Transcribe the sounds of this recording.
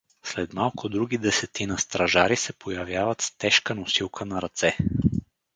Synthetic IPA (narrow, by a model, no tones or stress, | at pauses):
slɛt̪malˠkʊd̪ɾuɡid̪ɛsɛt̪inəst̪ɾɐʒaɾisɛpʰojɐvjavət̪st̪ɛʃkənʊsilˠkʰənɐɾɐt̪sɛ